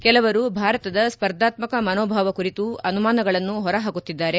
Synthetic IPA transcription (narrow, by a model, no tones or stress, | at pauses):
kɛlɐʋɐɾubʱaːɾɐt̪ɐd̪ɐspɐɾd̪ʱaːt̪mɐkɐmɐnoːbʱaːʋɐkuɾit̪uɐnumaːnɐɡɐɭɐnːuɦɔɾɐɦaːɡut̪ːid̪ːaːɾe̞